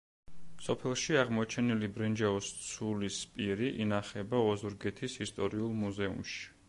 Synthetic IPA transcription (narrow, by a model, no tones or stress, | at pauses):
sɔpʰɛlˠʃiaʁmɔt͡ʃʰɛnilibɾɛnd͡ʒaɔst̪sʰulispʼiɾiʔinaχɛbaɔzuɾɡɛt̪ʰisist̪ʼɔɾiulˠmuzɛṵmʃi̥